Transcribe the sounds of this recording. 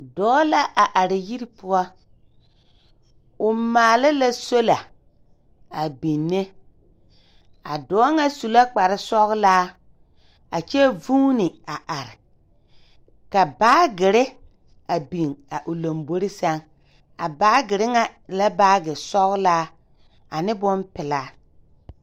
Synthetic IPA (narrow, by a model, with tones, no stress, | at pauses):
dɔː˦la˦ʔa˨ʔa˨ɾɪ˨ji˦ɾi˦pʊ˦ɔ˦ | ʊ˨maː˨lɪ˦la˦so˦la˨ | a˨bi˨nːe˦ | a̰˨dɔː˨˦ŋa˦su˨la˦k͡pa˨ɾɪ˦sɔ˦ɣlaː˦ | a˨t͡ʃɛ˦vu˦nɪ˨a˨ʔa˨ɾɪ˨ | ka˨baː˦ɡɪ˨ɾɪ˦ | a˨bi˨ŋa˨ʔʊ˨lo˨mbo˦ɾɪ˦sa˦ŋ | a˨baː˦ɡɪ˨ɾɪ˦ŋa˨la˦baː˦ɡɪ˨sɔ˦ɣlaː˦ | a˨nɪ˦bʊ˦npɪ˨laː˦